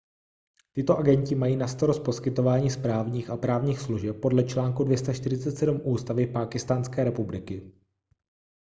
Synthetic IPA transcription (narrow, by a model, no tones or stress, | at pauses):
t̪ɪt̪o̞ʔaɡɛɲcɪmajiːnast̪aɾospo̞skɪt̪o̞vaːɲiːspɾaːvɲiːxapɾaːvɲiːxsluʒɛp̚ːo̞dlɛt͡ʃlaːŋkudvjɛst̪aʃt̪ɪɾɪt͡sɛt̪sɛdumʔuːst̪avɪpaːkɪst̪aːnskɛːɾɛpublɪkɪ